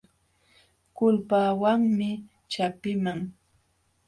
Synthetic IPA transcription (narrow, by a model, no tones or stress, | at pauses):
kʊlpaːwaŋmɪ | t͡ʃapɪmaŋ